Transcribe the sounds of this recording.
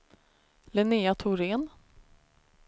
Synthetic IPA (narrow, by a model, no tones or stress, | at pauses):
lɛneːat̪ʰʊɾeːn